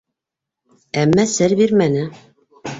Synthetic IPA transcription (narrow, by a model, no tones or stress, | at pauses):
æmːæsɘɾbiɾmænɘ